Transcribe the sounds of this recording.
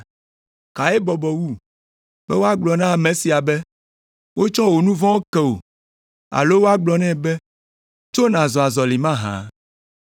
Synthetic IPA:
ka˨e˦bɔ˨bɔ˨wu˦ | b̥ɛ˦wo˦a˦ɡ͡blɔ˨nã˦˨mɛ̃˨si˨a˨bɛ˦ | wo˦t͡ʃɔ̃˦wo˨nũ˦vɔ̃˦wo˦kɛ˦o̰˨ | a̰˨lo˦wo˦a˦ɡ͡blɔ˨nɛ̃˦bɛ˦ | t͡ʃo˦nã˨zɔ˨a˨zɔ˨li˨mã˦ɦã̰˨˦

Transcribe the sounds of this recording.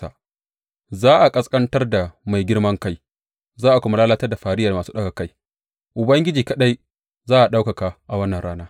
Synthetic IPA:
a̰˨ | zaː˦ʔa˨kʼɐ˦skʼɐ˦ntɐ˦rda˨ma˨jɡʲɪ˦ɽmɐ˦ŋka˦j | zaː˦ʔa˨kʷʊ˦ma˦laː˦laː˦tɐ˦rda˨ɸaː˨ɾɪ˦ja˨maː˨suː˦ɗɐ˦ka˨ka˦j | ʔʊ˨bɐ˦ŋɡʲɪ˦d͡ʒiː˨kɐ˨ɗa˦j | zaː˦ʔa˨ɗa˦wka˨ka˨ʔa˨wɐ˦nːɐ˨nɽaː˦naː˦

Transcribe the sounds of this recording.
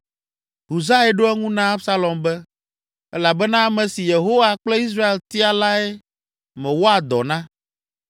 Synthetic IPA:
ɦu˨za˦ɛ˦ɖo˦ɛ˦ŋũ˦nã˦a˦bsa˦lɔ˨mbɛ˦ | ɛ̰˦la˨bɛ˦nã˦mɛ̃˨si˨je˨ɦo˦wa˨k͡ple˦i˦s̬ɾa˦e˨lt̪i˦a˨la˦ɛ˦ | mɛ̃˨wo˦a˨d̪ɔ̰˨nã˦

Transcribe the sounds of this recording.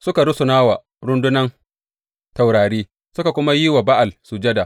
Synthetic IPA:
sʊ˦ka˨ɾʊ˦sʊ˨naː˦wa˨ | ɽʊ˦ndʊ˦nɐ˦n | ta˨wɽaː˨ɽiː˦ | sʊ˦ka˨kʷʊ˦ma˦ji˦wa˨ba˦ʔa˨lsu˨d͡ʒɛ˦da˨

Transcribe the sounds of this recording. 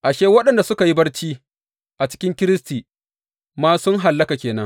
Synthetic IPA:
ʔa˨ʃeː˦wɐ˦ɗɐ˨nda˨sʊ˦ka˨ji˦bɐ˦rt͡ʃiː˦ | ʔa˨t͡ʃɪ̥˦kʲɪ˦ŋkʲɪ˦ɾɪ˦stiː˨ | maː˦sʊ˦ŋɦa˨lːɐ˦ka˨kʲeː˨nɐ˦ŋ

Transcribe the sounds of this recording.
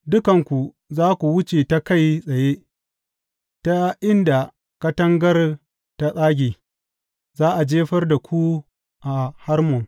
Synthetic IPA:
dʊ˦kɐ˨ŋkʷu˨ | zaː˦kʷu˨wʊ˦t͡ʃe˨ta˦ka˦˨jsʼɐ˨jeː˦ | ta˦ʔɪ˦nda˨ | kɐ˦tɐ˦ŋɡɐ˦r | ta˦sʼaː˦ɡʲiː˨ | zaː˦ʔa˨d͡ʒeː˦ɸɐ˦rda˨kʷu˦ | ʔa˨ha˦rmɔ˨ŋ

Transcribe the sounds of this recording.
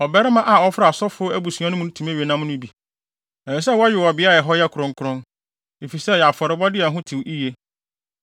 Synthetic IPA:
ɔ˨bɛ˦ɾɪ˦mã˦ʔa˨ɔ˦fɪ˦ɾa˨sɔ˦fʊ˦æ˦bu˨su˨˦ã˦nʊ̃˦mũ˦n˦tʰũ˨mæ˦ɥe˨nã˦mnʊ̃˦bi˨ | ɛ˨fɛ˨s̬ɛ˦wɔ˦ɥᶣɪ˨ɔ˨bɪ˨˦a˦˨ɛ˨ɦɔ˦jɛ˦kʰʊ˨ɾɔ̃˦ŋ˦kʰʊ˨ɾɔ̃˦n | e˨fi˨sɛ˦jɛ˨a˨fɔ˨ɾɪ˨bɔ˦dɪ˦ɛ˨ɦʊ̃˦tʰi˨wʔi˦je˦

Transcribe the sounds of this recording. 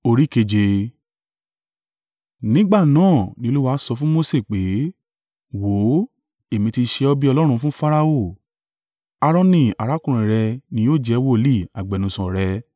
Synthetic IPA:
o˧ɾi˦˨ke˧d͡ʒe˧ | nĩ˦ɡ͡ba˦˨nãː˦˨nĩ˧o˧lu˦wa˦sɔ˧fũ˦mo˦se˦˨k͡pe˨˦ | wo˨˦ | e˨mĩ˧ti˧ʃe˧ɔ˧bi˦ɔ˧lɔ˦ɾ̃ũ˧fũ˦fa˦ɾa˧o˦˨ | a˧ɾɔ̃˧nĩ˦˨a˨ɾa˨˦kũ˦ɾ̃ĩ˨ɾɛ˧nĩ˧jo˦˨d͡ʒɛ˧˦wo˦li˦˨a˨ɡ͡bɛ˨nũ˧˨sɔ̃˨ɾɛ˧

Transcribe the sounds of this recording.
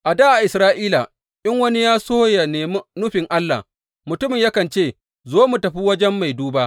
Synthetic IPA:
ʔa˨daː˦ʔa˨ʔɪ˨sɾaː˦ʔiː˦la˨ | ʔɪ˦ŋwɐ˦ni˦jaː˦soː˦ja˨neː˨m˦nʊ˦ɸɪ˨ŋʔa˦lːa̰˨ | mʊ˨tʊ˦mɪ˨ɲjɐ˦kɐ˨nt͡ʃeː˦˨ | zoː˦mu˨tɐ˨ɸiː˦wɐ˦d͡ʒɛ˦mːa˨jduː˦baː˦ʔ

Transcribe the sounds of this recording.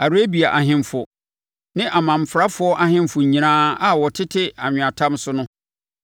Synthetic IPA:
a˨ɾe˦bi˨a˨ʔa˨ɦɪ̃˦m˦fʊ˨ | nɪ̃˦ʔa˨mã˨m̩˨fɾa˦fʊ˦ɔ˦ʔa˦ɦɪ̃˦mfʊ˨ɲĩ˨nãː˦a˨wɔ˨tʰɪ˦tʰɪ˦a˨ɲᶣʊ̃˨a˨tʰã˦msʊ˦nʊ̃˦

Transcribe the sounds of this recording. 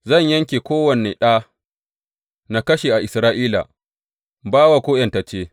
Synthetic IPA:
zɐ˦˨ɲjɐ˦ŋkʲeː˨kʷoː˦wɐ˨ne˨ɗa˦ | na˨kɐ˦ʃe˨ʔa˨ʔɪ˨sɾaː˦ʔiː˦la̰˨ | baː˦wa˨kʷoː˦jɐ˨ntɐ˨t͡ʃeː˦

